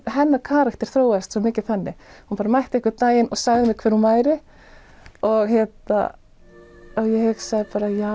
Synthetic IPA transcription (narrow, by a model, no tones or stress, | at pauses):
ɦɛnːakʰaːɾaxt̪ɛɾ̥θɾoːwast̪sɔmɪːcɪθanːɪhunpaːɾamajht̪ɪehkɪt̪aːjɪnɔɣsaːɣðɪmɪðkʰvɛɾ̥hunvaːjɾɪ | ɔɣhjɛt̪na̰ | ɔjɛheɣsaːɣðɪpaːɾaja